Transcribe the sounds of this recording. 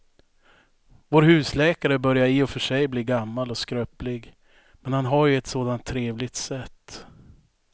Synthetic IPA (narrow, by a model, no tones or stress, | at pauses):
voːɾhʉ̟ːslɛːkaɾəbœɾjaɾiːɔfœʂɛjbliːɡamːalɔskɾøːplɪɡ | mɛnhanɦaɾjɵɛt̪soːd̪ant̪ʰːɾeːvlɪɡ̚t̪sɛt̪ː